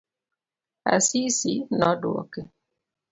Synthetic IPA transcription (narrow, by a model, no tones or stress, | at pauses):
a̰sisinɔduɔ̰ke